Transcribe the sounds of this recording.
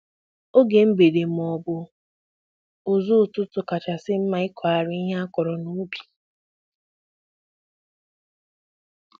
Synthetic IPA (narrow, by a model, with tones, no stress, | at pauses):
o˦ɡe˨m̩˦be˨de˨m̩˨ɔ˨bʊ˨ | ʊ˨zu˦˨tʊ˦tʊ˨ka˨t͡ʃa˨sɪ˦m̩˦ma˨˦ɪ˦kʰʷa˨ɾɪ˦i˦ɦa˦a˦kɔ˨ɾɔ˨nu˨˦bi̥˨